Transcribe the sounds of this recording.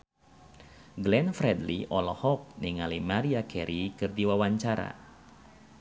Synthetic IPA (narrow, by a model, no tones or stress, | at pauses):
ɡlɛnfɾɛdliʔɔlɔhɔk̚niŋalimaɾiakɛɾikɨrdiwawaɲt͡ʃaɾa̰